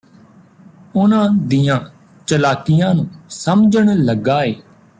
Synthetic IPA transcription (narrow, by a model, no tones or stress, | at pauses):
ʊnãːd̪ijãː | t͡ʃəlaːkɪjãːnũːsəmd͡ʒəɳləɡaːeː